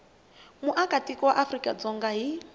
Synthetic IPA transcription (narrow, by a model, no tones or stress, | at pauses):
muʔakʼatʼikɔwaʔafrikʼa̰d͡zɔŋɡaɦi